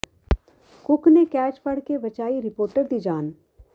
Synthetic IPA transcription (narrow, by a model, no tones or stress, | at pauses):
kʊknekɛːt͡ʃpɐɽ̤kebɐt͡ʃaːiɾɪpoːɾʈəɾd̪id͡ʒaːn